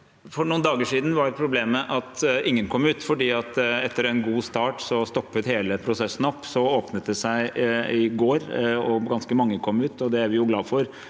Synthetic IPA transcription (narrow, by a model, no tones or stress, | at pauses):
fɔɾɳuːnd̪ɑːɡəʂiːd̪n̩ʋɑɾɛpʰɾʊbleːməʔɑt̪ɪŋːənkʰɔmːʉːt̪fɔɖiːɑt̪ɛt̪ːəɾɛnɡuːst̪ɑːʈsɔst̪ɔpːət̪heːləpʰɾʊsɛsːn̩ɔpːsɔoːpnət̪̚d̪ɛsæɪɪɡoːɾɔɡɑnskəmɑŋːəkʰɔmːʉːt̪ɔd̪ɛæɾʋɪjʊɡlɑːfɔɾ